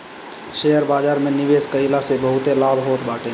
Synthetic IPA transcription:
ʃejəɾbaːd͡ʒaːɾmẽnɪʋeːskəilasebəɦʊt̪elaːbʱɦoːt̪baːʈẽ

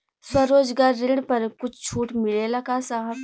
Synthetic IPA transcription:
swɐɾoːd͡ʒɡaːɾːɪɽpɐɾkʊt͡ʃʰt͡ʃʰuːʈmɪlelɐkasaɦəb

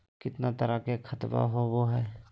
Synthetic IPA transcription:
kɪt̪nat̪ɐɾakekʰɐt̪ba̰ɦoʋoɦɛː

